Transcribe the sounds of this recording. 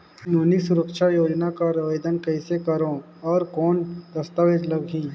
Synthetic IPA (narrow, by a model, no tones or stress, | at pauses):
noːnisʊɾəkʃajoːd͡ʒnakaɾɐʋəjd̪ənkɐɪsekɐɾõ | ɔːɾkɔːnd̪ɐst̪aʋed͡ʒləɡɦĩː